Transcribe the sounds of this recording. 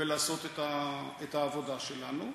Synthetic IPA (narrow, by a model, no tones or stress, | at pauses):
elaːso̞t̪et̪aet̪aːvo̞daʃelanu